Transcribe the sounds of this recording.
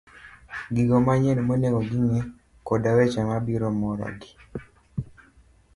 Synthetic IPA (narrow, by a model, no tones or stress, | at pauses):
ɡiɡɔmaɲɛnmonekɔɡiɲɛ | kɔdawɛt͡ʃamabiɾɔmɔɾɔ̰ɡi̥